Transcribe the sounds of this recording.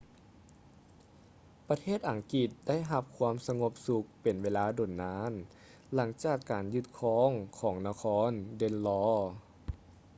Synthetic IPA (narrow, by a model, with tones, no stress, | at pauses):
pɾa˧t̪ʰeː˥˩t̪̚ʔa˨˩ŋki˨˧˩t̪̚da˥˩jɦa˧˩p̚kʰwaː˧˥msa˧ŋo˧p̚su˧k̚pe˨˩nweː˧˥laː˧˥do˨˩nːaː˧˥n | la˩˦ŋt͡ɕaː˨˩kːaː˨˩njɯ˧˩t̪̚kʰɔː˧˥ŋkʰɔː˩˦ŋna˧kʰɔː˧˥nde˧nlɔː˧˥